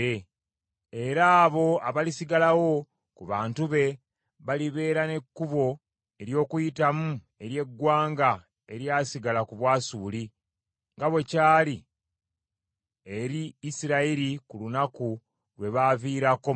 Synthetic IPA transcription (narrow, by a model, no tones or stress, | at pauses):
e | eɾaːβo̞aβalisiɡalawo̞ | kuβaːntuβe̞ | βaliβe̞ːɾane̞kːuβo̞ | e̞ɾjo̞ːkujitamu | e̞ɾje̞ɡːwaːŋɡa | e̞ɾjasiɡalakuβwaːsuːli | ŋɡaβwecaːli | eɾiːsiɾaiɾikulunaku | lwe̞βaviːɾako